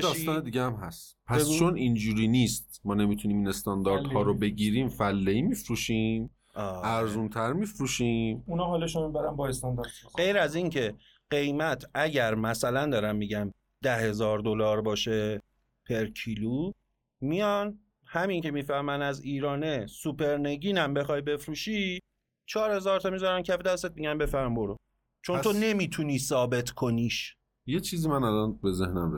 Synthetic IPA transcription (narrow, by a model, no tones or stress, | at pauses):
d̪ːsst̪ɒːned̪iːɟeæmɦæst̪pʰæseɡut͡ʃt͡ʃʰonind͡ʒuːɾiːniːst̪̚mɒːne̞mit̪ʰuniːminest̪ɒnd̪ɒɾd̪hɒːɾobe̞ɡiɾiːmfælːeimifɾuːʃim | ʔɒːæɾzunt̪ʰæɾmifɾuːʃiːmunɒːɦɒːleʃumibæɾænbɒest̪ɒnd̪ɒɾd̪ɢe̞jɾæzincʰe̞ | ɢe̞jmæt̪ʰæɟæɾmæsælænd̪ɒːɾæmːiːɟæm | d̪̥æhe̞zɒːɾd̪olɒːɾbɒːʃe | pʰe̞ɾkʰiluː | mijɒn | hæmincʰe̞miːfæhmænæziːɾɒːne̞supʰe̞ɾneɟiːnæmbe̞xɒjbe̞fɾuːʃi | t͡ʃʰɒːɾhe̞zɒːɾt̪ʰɒmizɒɾæmcʰæfed̪æst̪et̪̚miɟæmbe̞fæɾmboɾo | t͡ʃʰo̞nʰone̞miːt̪ʰuniːsɒːbe̞t̪ʰkʰoniːʃ | jet͡ʃʰiːzimænælɒnbe̞zehnæmɾe